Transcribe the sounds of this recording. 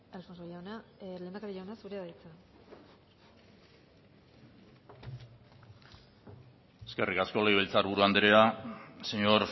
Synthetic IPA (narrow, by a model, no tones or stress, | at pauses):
alfonsojawnaleːnd̪akaɾiʎawneasuɾeaðajt͡sa | eske̞rikasko̞le̞jβelt͡saɾβuɾuand̪eɾeaseɲo̞ɾ